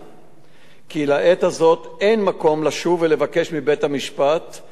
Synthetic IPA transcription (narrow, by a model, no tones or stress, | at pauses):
kilaʔe̞t̪hazo̞t̪ʔe̞jnmako̞mlaʃuvele̞vake̞ʃmibe̞t̪hamiʃpat̪